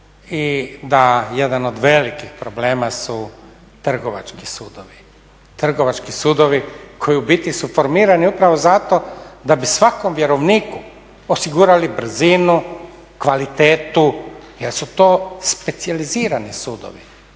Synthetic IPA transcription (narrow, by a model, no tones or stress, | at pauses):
id̪ajed̪anod̪ʋelikixpɾoble̞ːmasu | t̪r̩ɡoʋa̰t͡ʃkisuːd̪oʋi | t̪r̩ɡoʋat͡ʃkisuːd̪oʋikʰojubit̪isufo̞ɾmiːɾaniupɾaʋozat̪od̪abisʋakomʋjeɾoʋniːku | osiɡuːɾalibr̩zinu | kʋalit̪eːt̪ujelsut̪oːspe̞t̪sializiːɾanisuːd̪o̰ʋḭ